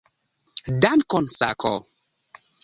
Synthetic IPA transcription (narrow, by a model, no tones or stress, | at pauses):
dankɔnsa̰kʰɔ̰